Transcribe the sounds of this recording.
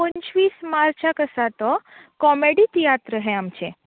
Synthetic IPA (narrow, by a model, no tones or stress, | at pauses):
ə̃ɲt͡ʃʋismaɾt͡ʃʰakəsat̪ɔkɔmeɽit̪ijat̪ɾəɦeamt͡ʃʰe